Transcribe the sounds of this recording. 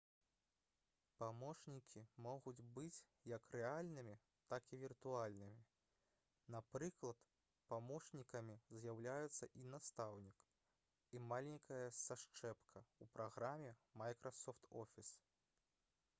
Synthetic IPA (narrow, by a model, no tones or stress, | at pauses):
pamɔʂnʲikʲʰimɔɣud͡zʲbɨt͡sʲ | jɐkrɛalʲnɨmʲi | t̪akivʲirt̪ualʲnɨmʲi | napɾɨklˠɐt̪ | pamɔʂnʲikɐmʲizjawlʲajɛt̪sːɐʔinast̪awnʲik | imalʲiŋʲkɐjɐsaʂt͡ʂɛpkʰɐupɾʔaɣɾamʲɛmajkɾʔɐsɔft̪ɔfʲis